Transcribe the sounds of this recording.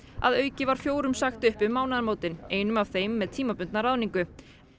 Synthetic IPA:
a̰ðœːɥcɪvaɾ̥fjoːwɾʏmsaxt̪ʏhpʏðmaːwnaðaɾmoːwt̪ɪneːjnʏmav̥θejmːɛðt̪ʰiːmapʏnt̪narawniŋkʏ

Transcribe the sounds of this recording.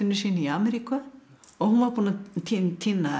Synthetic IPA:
ɪnːʏ̥siːniaːmɛɾikaɔɣhunvaɾpuːnat̪ʰint̪ʰinːa

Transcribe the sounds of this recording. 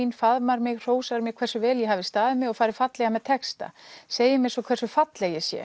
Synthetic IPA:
infaðmaɾmɪɣr̥oːwsaɾmjɛɣkʰvɛr̥sʏvɛːljɛɦaːvɪst̪aːðɪmɪɣɔɣfaːɾɪ̥fat̪lɛɣamɛðt̪ʰɛkst̪a̰seːjɪmɪɛnsɔkʰvɛrsʏfat̪lɛɣjɛsjɛ̰

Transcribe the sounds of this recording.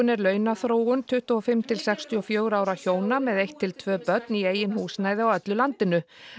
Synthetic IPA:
ʏnɛɾlœːɥnaθɾoːwʏnt̪ʰʏht̪ɔɔfɪmːt̪ʰɪlsɛkst̪ʰiɔfjœːwɾaːwɾaçoːwnamɛðejht̪ʰːɪlt̪ʰvœːpœt̪̚nieːjɪnhuːsnaːjðɪawœt̪lʏlant̪ɪnʏ

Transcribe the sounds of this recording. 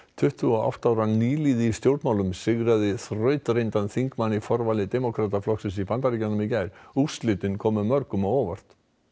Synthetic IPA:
t̪ʰʏht̪ʰʏɔa̰wht̪aːwɾaniːliːðɪːst̪jowɾt̪mawlʏmsɪɣɾaðɪθrœːɥt̪ɾejnt̪anθiŋkmanːifɔɾvalɪt̪ɛmɔkʰɾat̪aflɔksɪnsipant̪aɾiːcanːʏmicaːjɾust̪lɪt̪ɪnkʰɔːmʏmœɾkʏmawɔːvar̥t̪

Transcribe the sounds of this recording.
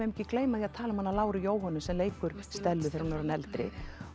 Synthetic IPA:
ɛmicɪkleːjmaθiaðt̪ʰaːlamhanːalaːwɾʏjoːwɦɔnːʏsɛmleːjkʏɾ̥st̪ɛlːʏθeɾhunavɾnɛlt̪ɾɪ̰

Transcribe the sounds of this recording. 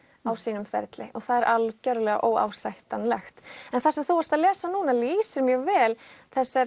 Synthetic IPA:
awsiːnʏmfɛ̰ɾt̪lɪʔɔɣθaðɛɾʔalcœɾlɛɣa̰ʔoːwa̰ːwsajht̪anlɛxt̪ɛnθasɛmθuvaɾst̪aðlɛːsanuːnaliːsɪɾmjɛɣvɛːlθɛsːɛɾ

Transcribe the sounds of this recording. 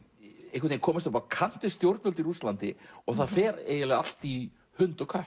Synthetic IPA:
ejhkʏt̪eɪnkʰɔːmɪst̪ɔpaɾakʰan̥t̪ɪst̪jowɾt̪nʏlt̪iɾust̪lant̪ɪɔɣθaðfɛːɾḛːjɪlɛɣa̰l̥t̪i | hʏnt̪ɔkʰœh

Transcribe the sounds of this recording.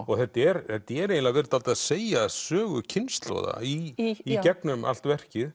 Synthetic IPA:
ɔɣθɛt̪ːɛɾθɛt̪ːɪɛɾejnlavɛɾt̪alt̪aðseːjasœːɣʏ̰cʰɪnst̪lo̰ða̰iːcɛknʏma̰l̥t̪vɛr̥cɪð

